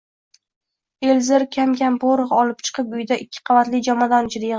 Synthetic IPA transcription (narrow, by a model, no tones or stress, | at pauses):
elzɪɾkʲʰamkʲamboɾɨʁɒlˠɪp̚t͡ʃʰɨ̥qʰɨp̚ʊjd̪aʔɪkʲʰːɪ̥qʰɑvat̪lɪd͡ʒamɒd̪and͡ʒʰɪɾɪjʁ